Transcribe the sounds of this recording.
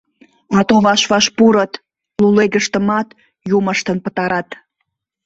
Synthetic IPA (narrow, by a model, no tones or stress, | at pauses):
ɑt̪oβɑʃβɑʃpuɾət̪ | luleɣəʃt̪ə̆mɑt̪ | juməʃt̪ənpət̪ɑɾɑt̪